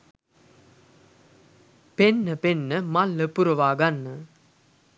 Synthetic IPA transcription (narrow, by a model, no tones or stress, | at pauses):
penːəpenːəmalːəpuɾəʋaːɡanːə